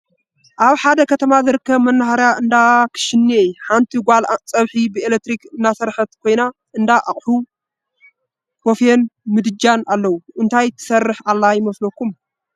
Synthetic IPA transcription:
ʔaβħad̪ɐkʰɐt̪ʰɐmazɨɾɨkːɐβmɐnːaɦaɾjaʔɨnd̪akʰɨ̥ʃɪnːeħant̪ʰiɡʷalt͡sʼɐβħibɨelek̚t̪ɾikɨnːasɐɾħɐt̪kʰo̞jna | ʔɨnd̪aʔa̰χʼħu | kofjenmɨd̪ɨd͡ʒanalːɐwuʔɨnt̪ʰajt̪ʰɨ̥sɐrːɨħalːajɪmɐslokːum

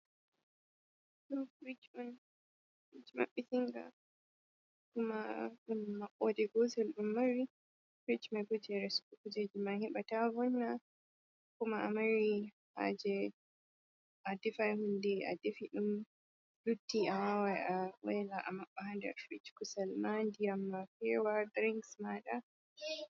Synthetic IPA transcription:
ɗumfɾit͡ʃɔn | it͡ʃma̰ɓiθiŋɡa̰ | kumaɗumːaʔɔdɛɡɔzɛlɗumːaɾi | fɾit͡ʃmaɡud͡ʒɛɾɛskukud͡ʒɛd͡ʒimanhiɓatavɔnːa | kumaamaɾi | ha̰d͡ʒɛ | adɛfajhundɛa̰dɛfiɗum | lutːiʔawawajawɛlaʔa̰maɓːahandɛa̰fɾit͡ʃkusalmandiamːafɛwad̪ɾiŋksmaɗa

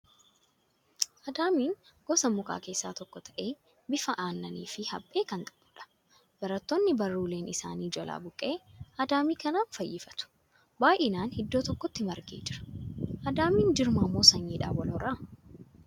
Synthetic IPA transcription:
ʔɐd̪aːmiːŋ | ɡ̥ɔsɐmʊkʼa̰ːke̞ːsːaːt̪ɔkːɔt̪ʰɐ̥ʔe̞ː | bɪfɐʔaːnːɐnḭːfɪhɐ̰bʼːe̞ːkɐnt̪ʼɐ̥bʊːᶑɐ̥ | b̥ɐɾɐt̪ːonːɪbɐrːuːle̞ːnɪsa̰ːniːd͡ʒɔla̰ːbʊkʼːeːʔɐd̪aːmiːkɐnaːnfɐjːɪfɐ̥t̪ʊ̥ | baːjʔɪnaːnhɪd̪ːoːt̪ɔkːɔt̪ːɪmɐɾɡḛːd͡ʒɪɾɐ̥ʔɐd̪aːmiːnd͡ʒɪɾmaːmːoːsɐnːiːᶑa̰ːwɐlɔɾaː

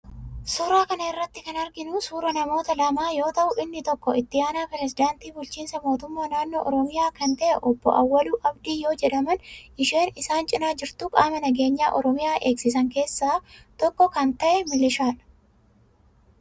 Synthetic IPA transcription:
sʊɾaːkɐnɐɪrːɐt̪ːɪkɐnɐɾɡɪnʊsuːɾɐnɐmo̞ːt̪ɐlɐmaːjo̞ːt̪ɐʔʊʔɪnːɪt̪ɔkːɔɪt̪ːɪjaːnaːpɛɾɛs̬ɪd̪aːnt̪iːbʊlt͡ʃiːnsɐmo̞ːt̪ʊmːaːnaːnːoːʔɔɾɔmɪjaːkɐnt̪ɐʔɛʔɔbːɔ̰ʔɐwːɐluːʔɐbd̪iːjo̞ːd͡ʒɛᶑɐmɐnʔɪʃe̞ːnɪsaːnt͡ʃʼɪnaːd͡ʒɪɾt̪ʊkʼaːmɛnɐɡe̞ːɲːaːʔɔɾɔmɪjaːʔe̞ːksɪsɐŋke̞ːsːaːt̪ɔkːɔkɐnt̪ɐʔɛmɪlɪʃaːᶑɐ̥

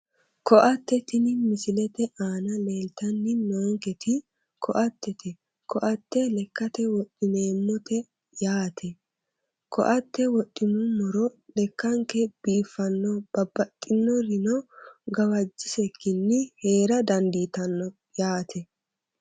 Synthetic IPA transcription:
kɔʔɐt̪ːɛt̪ɪnɪmɪsɪlɛt̪ɛʔaːnɐleːlt̪ɐnːɪnoːŋkɛt̪ɪ | kʰɔʔɐt̪ːɛt̪ɛ | kʰɔʔɐt̪ːɛlɛkːɐt̪ɛwɔɗɪneːmːɔt̪ɛ | jaːt̪ʰɛ | kʰɔ̰ʔɐt̪ːɛwɔɗʼːɪmʊmɔɾɔlɛkːɐŋkɛb̥iːfːɐnːɔb̥ɐbːɐt̪ʼːɪnːɔɾɪnɔɡɐwɐd͡ʒːɪsɛkːɪnːɪhe̞ːɾɐd̪ɐnd̪iːt̪ɐnːɔ | jaːt̪ʰɛ

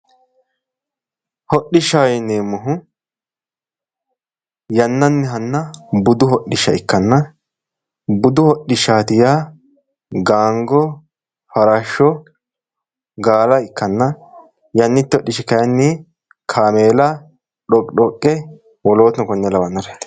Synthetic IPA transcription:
hɔɗːɪʃːajɛneːmːʊɦʊ | jɐnːɐnːɛɦɐnːɐbʊd̪ʊhɔɗɪʃːɐɪkːɐnːɐ | bʊd̪ʊhɔɗːɪʃaːt̪ɪjaː | ɡaːŋɡɔ | fɐɾaʃːɔ | ɡaːlɐɪkːɐnːɐ | jɐnːɪt̪ːɪɔɗːɪʃɪkɐjɐnːɪ | kʰaːmeːlɐ | ɗɔkʼɗɔkʼːɛ | wɔloːt̪nɔkɔnːɛlɐwɐnːɐɾɛt̪ː

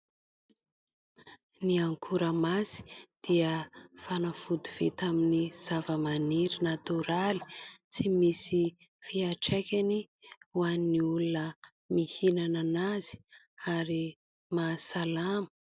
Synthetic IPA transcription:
niaŋkʰuɾəmasi̥d̪̥iəfanafud̪uv̥ḛt̪aminiz̥avəmaniɾinat̪uɾali̥t͡simisi | fiaʈ͡ʂekʲani | uanːiulunə | mihinananaz̥i̥ | aɾi | masalamə

